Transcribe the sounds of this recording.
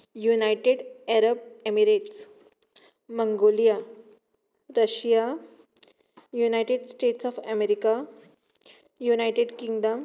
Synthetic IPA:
junajʈeɽeɾəb̚emiɾeʈs | məŋɡolija | ɾəɕja | junajʈeɖsʈeʈsɔfɛmeɾika | junajʈeɖkiŋɡɖəm

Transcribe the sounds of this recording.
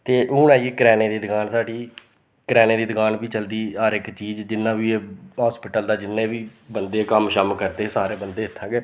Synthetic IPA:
t̪eːʔʊːnɛːɡiːkɾɛːnẽːd̪iːd̪əɡaːnsaːɖiː | kɾɛːnẽːd̪iːd̪əkaːnbiːt͡ʃəld̪iːəɾɪkt͡ʃiːzd͡ʒɪnːãːʋiːeːɦaːspɪʈəld̪aːd͡ʒɪnːẽːʋiːbənd̪eːkəmʃəmkəɾt̪eːsaːɾeːbənd̪eːɪt̪ʰːãːɡeː

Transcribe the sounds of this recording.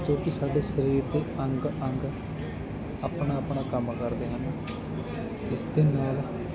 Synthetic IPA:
t̪oːkɪsaːɖeːʃəɾiːɾd̪eːəŋɡəŋɡ | əːpnaːəpɳaːkəmkəɾd̪eːɦən | ɪsd̪eːnaːl

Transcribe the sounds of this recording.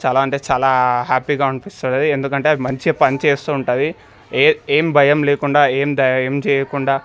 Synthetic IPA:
t͡ʃaːlaːɐɳʈe̞ːt͡ʃaːlaːɦaːpiɡaːɐnpist̪uːɽeːd̪iend̪ukɐɳʈe̞ːɐd̪imɐɲt͡ʃipɐnit͡ʃeːst̪uːɳʈaːd̪i | eːmbʱɐjɐmleːkuɳɖaːeːmd̪ɐjɐmt͡ʃɛːjɐkuɳɖaː

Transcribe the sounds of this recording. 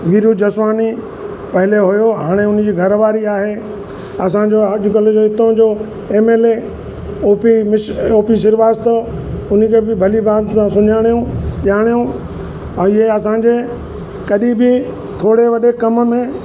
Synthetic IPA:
ʋiːɾjud͡ʑɐsʋaːni | pɐɦɪleɦʊjoɦaːɽ̃eʊnd͡ʑiːɡʱɐɾʋaːɾiaːɦe | ɐs̬ãd͡ʑoːɐʄʊkɐld͡ʑoɪt̪õd͡ʑoː | eːmeːle | oːpimɪʃoːpis̬ɪɾʋaːst̪oʊnkʰebɪbʱɐlibaːd̪sãsʊɲaːɽ̃ijũɗjaːɽ̃ijũ | ɛ̃ːɪɦeɐsãd͡ʑeː | kɐɗĩbɪ | t̪ʰoːɽeʋɐɗekɐmmẽ

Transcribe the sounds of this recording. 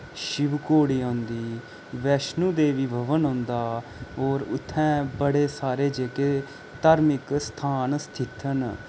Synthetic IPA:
ʃɪʋkoːɽiːõːnd̪iː | ʋɛːʃnũːd̪eːʋiːbʱəʋənɦɔ̃ːnd̪aːoːɾʊ̰t̪ʰːɛ̃ːbəɽeːsaːɾeːd͡ʒeːkeː | t̪aːɾmɪkst̪ʰaːnst̪ʰɪt̪ʰən

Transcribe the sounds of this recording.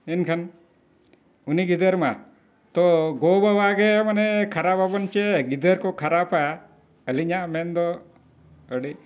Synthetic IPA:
inkʰən | uniɡid̪əɾma | t̪ɔɡobabaɡemɐnɛkʰɐɾapabɔnt͡ʃeɡid̪əɾkɔkʰɐɾapa | əliɲamɛnd̪ɔ | əɖi

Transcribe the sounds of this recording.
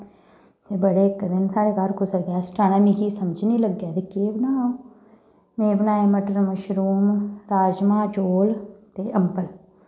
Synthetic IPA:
t̪eːbəɽeːɪkːd̪ɪnsaːɽeːkaɾkʊsəɡaːsʈaːnaːmĩkiːsəməd͡ʒnĩːləɡːjaːt̪ekeːbnaːõ | meːbnaːeməʈəɾməʃɾuːmɾaːd͡ʒmãːt͡ʃoːlt̪eːʔəmpəl

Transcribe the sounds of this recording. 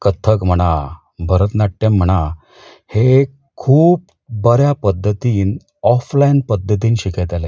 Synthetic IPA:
kət̪ʰəkm̤əɽ̃a | bʱəɾət̪naʈʈem̤ːəɽ̃a | he | kʰuːp̚ | bəɾjapəd̪ʱːət̪iːn | ɔflainpəd̪ʱːət̪iːnɕikəjt̪ale

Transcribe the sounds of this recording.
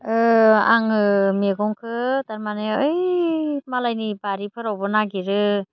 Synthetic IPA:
ɯaŋɯmeɡɔŋkʰɯtaɾmanɯɯjmalajnibaɾipʰɯɾawbɔnaɡiɾɯ

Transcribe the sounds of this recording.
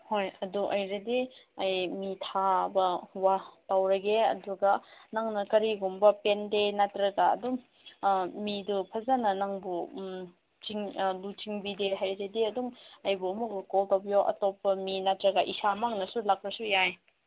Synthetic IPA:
hojɐduʔɐjɾɐdiɐjmitʰabɐwatawɾɐɡeɐ̰duɡɐnaŋnɐkɐɾiɡumbɐpendenatɾɐɡaɐ̰duŋ | midupʰɐzanɐnaŋbu | t͡ʃiŋlut͡ʃiŋbideɦajɾediɐduŋɐjbuɐmuk̚bukoltawbijoʔɐ̰tɔpːɐminatɾɐɡaʔisamaŋnɐsulak̚ɾɐsujaj

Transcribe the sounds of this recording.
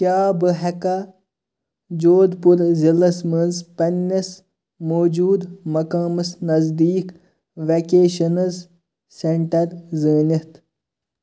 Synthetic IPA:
kjaːbɨɦɐkɐ | d͡ʒoːd̪puɾzilɐsmənzpɐnʲːɐs | moːd͡ʒuːd̪mɐkaːmɨsnɐzd̪iːk | ʋekeːʃɐnɐz | seɳʈɐɾzəːnʲit̪

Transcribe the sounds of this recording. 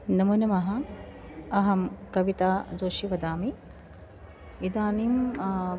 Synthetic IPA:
nɐmunɐmɐɦɐ | ɐɦɐmkɐʋit̪aːd͡ʒoːʃiʋɐd̪aːmi | id̪aːnim

